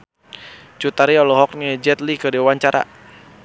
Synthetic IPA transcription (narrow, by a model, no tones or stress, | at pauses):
t͡ʃut̪aɾiɔlɔɦɔk̚nd͡ʒɛt̪likədiwaɲt͡ʃaɾa̰